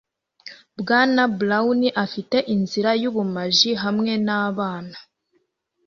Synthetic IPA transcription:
bɡaːnablauniʔafite̞ʔinziɾajuβumaʒiɦamŋe̞naːβaːna

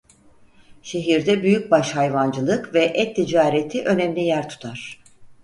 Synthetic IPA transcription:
ʃe̞ɦiɾd̪ɛbyjyc̚baʃhajvand͡ʒɯlˠɯkvɛʔɛt̪ʰːid͡ʒaːɾet̪ʰiʔø̞nɛmlʲijæɾt̪ʰu̥t̪ʰaɾ̥

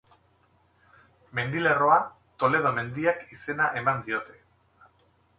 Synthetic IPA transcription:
me̞nd̪ile̞ro̞a | t̪o̞le̞ð̞o̞me̞nd̪iakise̞naʔe̞mand̪io̞t̪e̞̥

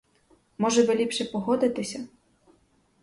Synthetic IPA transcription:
mɔʒɛʋɪlʲipʃɛpɔɦɔd̪ɪt̪ɪsʲɐ

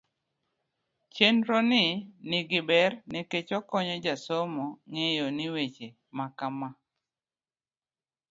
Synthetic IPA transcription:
t͡ʃenɾɔnɪnɪɡɪbɛrnɛket͡ʃɔkɔɲɔd͡ʒasɔmɔŋejɔnɪwet͡ʃe | makama

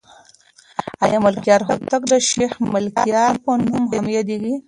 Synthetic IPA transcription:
ajaməlkjɑɾɦot̪akd̪əʃexməlkijɑɾpənumɦamjad̪iɡi

